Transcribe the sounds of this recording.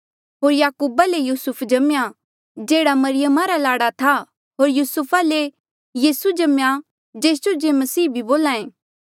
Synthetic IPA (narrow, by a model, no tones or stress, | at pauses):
ɦoːɾjaːkuːbalejuːsʊpʰd͡ʒɐmja | d͡ʒeːɽamɐɾɪjəmaɾalaːɽat̪ʰa | ɦoːɾjuːsʊpʰale | jiːsud͡ʒɐmja | d͡ʒeːs̬d͡ʒod͡ʒemɐsiːbʱiboːlãːẽː